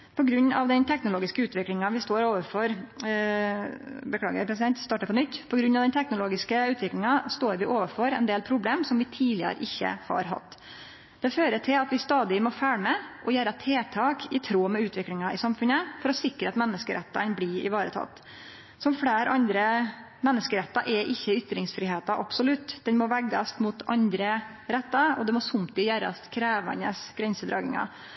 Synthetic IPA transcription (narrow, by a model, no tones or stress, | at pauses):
pʰɔɡɾʉnːɑ̰ʋd̪ɛnt̪ʰɛknʊloːɡɪskəʉːt̪ʋɪklɪŋɑʋɪst̪oːɾoːʋəfɔɾ | bəkʰɽɑ̰ːɡə̰ɾpʰɾɛsɪd̪ɛnt̪st̪ɑːʈəpʰɔnʏt̪ːpʰɔɡɾʉnːɑʋd̪ɛnt̪ʰɛknʊloːɡɪskəʉːt̪ʋɪklɪŋɑst̪oːɾʋɪʔoːʋəfɔɾɛ̰nd̪eːlpʰɾʊbleːmsɔmʋɪt̪ʰiːlɪə̰ɾə̰ʔɪçːə̰hɑ̰ɾɦɑ̰t̪ː | d̪̥ɛføːɾəʈʰɪlɑt̪ʋɪst̪ɑːd̪ɪmɔfæːɭmɛʔɔjæːɾɑt̪ʰeːt̪ʰɑːkʰɪt̪ʰɾoːmɛʉːt̪ʋɪklɪŋɑɪsɑmfʉnəfɔɾɔsɪkɾəɑt̪mɛnːəskəɾʔɛ̰t̪ːɑnblɪɾɪ̰ʋɑːɾət̪ʰɑ̰t̪ː | sɔmfɽeːɾʔɑnd̪ɾə | mɛnːəskəɾɛt̪ːɑʔɛʔɪçːəʏt̪ɾɪŋsfɾɪːɦeːt̪ɑʔɑpsɔlʉt̪ːd̪ɛnmɔʋæɡːɑst̪mʊt̪ɑnd̪ɾə | ɾɛt̪ːɑɔd̪ɛmɔsʊmt̪ɪjæːɾɑ̰st̪kʰɾæːʋɑ̰nəsɡ̥ɾɛnsəd̪ɾɑ̰ːɡɪ̰ŋɑ̰